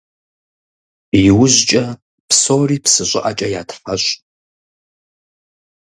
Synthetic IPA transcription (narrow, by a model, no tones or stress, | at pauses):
jɪwʊʑt͡ʃʼɐ | pʰsoːriːpʰsɨɕʷʼɪ̰ʔat͡ʃʼɐjaːtʰfɐɕʼ